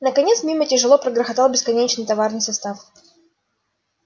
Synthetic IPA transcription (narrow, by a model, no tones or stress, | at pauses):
nəkɐnʲet̪smʲimətʲɪʐɨlˠopɾəɡɾəxɐt̪alˠbʲɪskɐnʲet͡ɕnɨjt̪ɐvarnɨjsɐst̪af